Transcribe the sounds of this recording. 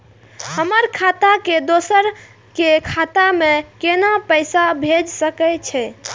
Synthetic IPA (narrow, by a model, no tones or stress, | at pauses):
həməɾkʰat̪aked̪osəɾ | kekʰat̪amekenapəɪsabʱed͡ʒsəkɛt͡ʃʰɛ